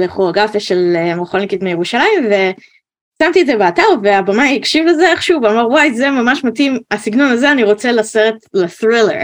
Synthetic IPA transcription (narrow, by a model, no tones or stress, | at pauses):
leχoaɡafeʃelemeχolnikitmejeʁuʃalaimve̞ | samt̪iedzebeataʁveabamaikʃivlezeeχʃuvamaʁwajzemamaʃmatimasiɡno̞nazeaniʁo̞t͡selaseʁetleθʁilḛ